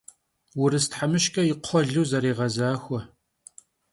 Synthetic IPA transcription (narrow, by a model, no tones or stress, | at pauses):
wʊɾɨstħamɨʃkʼɐjɪqʷʰɔɮɨwzɐɾiːʁɐzaːxʷɔ